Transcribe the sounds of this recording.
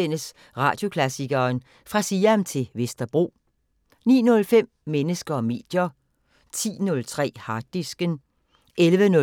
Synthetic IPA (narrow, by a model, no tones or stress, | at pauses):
en̰əs | ʁɑ̈ːd̥jo̝kʰlæsiɡ̥ɐːn | fʁɑ̈siːæmt͡sʰe̝ʋesd̥ɐb̥ʁo̝̰ː | nḭːnɔ̽lfem̰menəsɡ̥ɐɒme̝̰ːd̥jɐ | t͡sʰḭːnɔ̽lt͡sʰʁɛ̰ːhɑ̈d̥isɡ̥ən | ʔelʋənɔ